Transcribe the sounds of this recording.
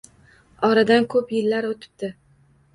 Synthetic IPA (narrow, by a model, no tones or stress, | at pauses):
ɒɾad̪ankʰɵpjɪlːaɾot̪ʰɪ̥p̚t̪ɪ